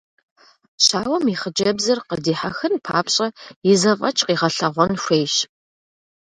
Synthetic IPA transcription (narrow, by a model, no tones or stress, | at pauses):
ɕaːwɐmiχəd͡ʒɐbzɨrqədiːħaxɨnpʰa̰ːpɕʼɐɪzɐfʼɐt͡ʃʼqiːʁɐɬɐʁʷɔnʃʷejɕ